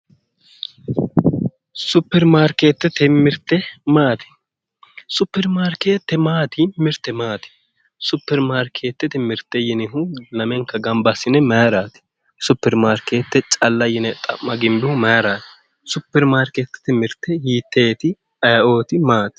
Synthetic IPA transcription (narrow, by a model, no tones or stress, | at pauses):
sʊpːɛɾmaːɾkeːt̪ːɛt̪ɪmːɪɾt̪ːɛmaːt̪ɪ̥ | sʊpːɛɾmaːɾkeːt̪ːɛmaːt̪ɪmɪɾt̪ːɛmaːt̪ɪ̥ | sʊpːɛɾmaːɾkʰeːt̪ːɛt̪ɪmːɪɾt̪ːɛjɪnɪɦʊlɐmɛŋkːɐɡɐmbɐsɪnɛmɐjɾaːt̪ɪ̥ | sʊpːɛɾmaːɾkeːt̪ːɛt͡ʃʼɐlːɐjɪnɛt̪ʼɐ̰mːɐɡɪmbɪhʊmɐjɾaːt̪ɪ̥ | sʊpːɛɾmaːɾkeːt̪ːɛ̥t̪ɪmːɪɾt̪ːɛhiːt̪ːeːt̪ɪ | ɐjʔo̞ːt̪ɪmaːt̪ɪ̥